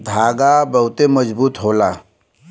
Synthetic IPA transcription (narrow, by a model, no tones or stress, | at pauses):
d̪ʱaːɡabəɦʊt̪eməd͡ʒbuːt̪ɦola